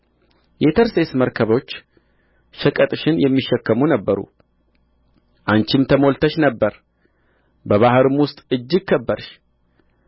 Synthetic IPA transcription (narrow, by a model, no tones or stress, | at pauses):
jet̪ʰəɾsesməɾkʰəβo̞t͡ʃː | ʃəkʼət̪ʼɨʃɪnjɛmːiʃːɛkːəmunəbːəɾṵ | ʔant͡ʃɪmt̪ʰəmo̞lt̪ʰəʃnəbːəɾ | bəβahɨɾɨmwʊst̪ʼɨd͡ʒːɪɡ̚kʰːəbːəɾʃ